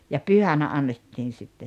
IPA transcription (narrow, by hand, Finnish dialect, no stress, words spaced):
jɑ pyhænæ ɑnːetːiːn̞ sitːe